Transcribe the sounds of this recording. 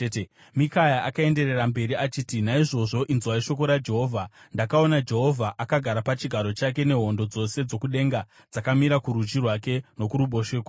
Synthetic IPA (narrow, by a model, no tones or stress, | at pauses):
e | mikajaʔakae̞nde̞re̞rambe̞ɾiat͡ʃiːtinaiʐo̞ʐo̞ʔinzwaiʃo̞k̬o̞ɾad͡ʒe̞ɦo̞ːvʱandakao̞nad͡ʒe̞ɦo̞vʱaʔakaɡʱaɾapat͡ʃiɡʱaɾo̞t͡ʃak̬e̞ne̞ɦo̞ndo̞d͡zo̞se̞d͡zo̞kuɗe̞ŋɡa | d͡zakamiɾakuɾut͡ʃirwake̞no̞kuɾuɓo̞ʃeːka